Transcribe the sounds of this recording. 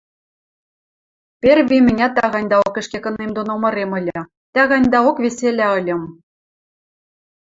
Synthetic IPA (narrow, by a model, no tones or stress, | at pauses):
pʲerβʲimʲɘ̆nʲɑt̪æɣɑnʲd̪ɑokɘ̆ʃkekɤ̆nːemd̪onomɤ̆ɾemɤ̆lʲɘ̆ | t̪æɣɑnʲd̪ɑokβʲeselʲæɤ̆lʲɤ̆m